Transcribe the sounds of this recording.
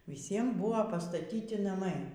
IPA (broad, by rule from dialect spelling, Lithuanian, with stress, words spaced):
ʋʲɪˈsʲiɛm ˈbʊʋoː pɐstɐˈtʲiːtʲɪ nɐˈmɐɪ